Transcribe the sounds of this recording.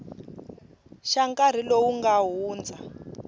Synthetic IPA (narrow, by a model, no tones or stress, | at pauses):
ʃaŋkar̤ilowuŋɡaɦuːnd͡za